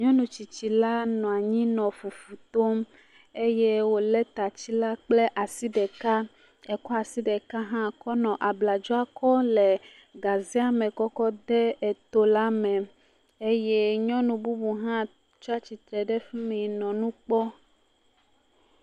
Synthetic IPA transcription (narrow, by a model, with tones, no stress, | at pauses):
ɲɔ̃˦nũ˨t͡ɕi˨t͡ɕi˨la˦nɔ̃˨a˨ɲĩ˦nɔ̃˨fu˨fu˨t̪o˦m | e˦je˦wo˦lɛ˦t̪a˨t͡ɕi˦la˦k͡ple˦ʔa˨si˦ɖɛ˨ka˦ | ɛ˨kɔ˦a˨si˦ɖɛ˨ka˦ɦã˦kɔ˦nɔ̃˨ʔa˨bla˨d͡ʒɔ˦a˦kɔ˦le˨ | ɡa˨zi˦a˨mɛ̃˨kɔ˦kɔ˦d̪ɛ˦e˨t̪o˦la˦mɛ̃˨ | e˦je˦ɲɔ̃˦nũ˨bu˦bu˨ɦã˦ | t͡ʃɔ˦a˦t͡ɕi˨t̪ɾɛ˨ɖɛ˦fi˦mẽ˨nɔ̃˨nũ˦k͡pɔ˦